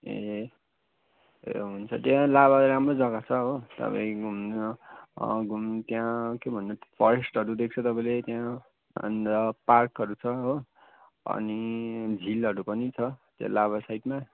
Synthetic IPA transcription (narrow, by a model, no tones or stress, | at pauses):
ḛ | ḛɦunt͡sʰʌt̪jãlaβaɾamrod͡zʌɡat͡sʰʌɦot̪ʌ̰pã̰ĩɡʱum | ɡʱumt̪jãkebʱʌnːʌpʰʌɾesʈʌɾud̪ek̚ʰt͡sʰʌt̪ʌpãĩlet̪jã̰ | ndʌparkɦʌɾut͡sʰʌɦo | ʌ̰nid͡zʱilʌɾupʌnit͡sʰʌt̪jã̰laβasajʈma